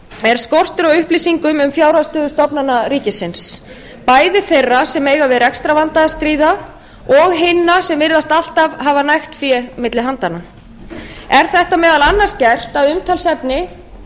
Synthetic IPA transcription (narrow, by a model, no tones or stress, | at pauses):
ɛɾ̥skɔr̥t̪ʏɾɔɣʏhplisiŋkʏmʏmfjawɾast̪œːðʏst̪ɔpnanaɾiːcɪsɪns | paːjðɪθejrːasɛmeːjɣavɪðɾɛkst̪ɾavant̪aðst̪ɾiːða | ɔɣɦɪnːasɛmvɪɾðast̪al̥t̪avhavanajxt̪fjɛmɪt̪lɪɦant̪ana | ɛɾ̥θɛht̪amɛːðalanːascɛr̥t̪aðʏmt̪ʰalsɛpnɪ